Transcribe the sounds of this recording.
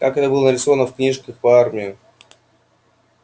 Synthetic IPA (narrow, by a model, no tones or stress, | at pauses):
kakɛt̪əbɨlˠənəɾʲɪso̞vənəfknʲiʂkəxpəarmʲɪʊ